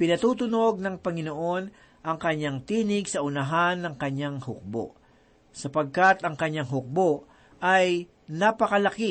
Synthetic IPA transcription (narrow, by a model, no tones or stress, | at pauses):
pɪnɐt̪ut̪ʊno̞ɡ̚nɐŋpɐŋɪnoʔo̞n | ʔɐŋkɐɲːaŋt̪iːnɪɡsɐʔʊnɐɦanːɐŋkɐɲaŋhʊk̚bo̰ʔ | sɐpɐɡ̚kat̪ɐŋkɐɲːaŋɦʊk̚boʔ | ʔɐj | napɐkɐlɐki